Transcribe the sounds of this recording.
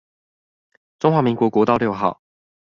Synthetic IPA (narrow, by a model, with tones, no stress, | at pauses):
ʈ͡ʂʊ˥ŋxwa˧˥mi˧˥ŋkwɔ˧˥kwɔ˧˥t̪ɑ˥˧ʊljo˥˧ʊxɑ˥˩˨ʊ